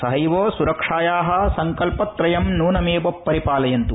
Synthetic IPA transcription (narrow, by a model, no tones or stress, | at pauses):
sɐɦɐjʋoːsuɾɐkʂaːjaːɦɐ̆sɐŋkɐlpɐt̪ɾɐjɐmnuːnɐmeːbɐpːɐɾipaːlɐjɐnt̪u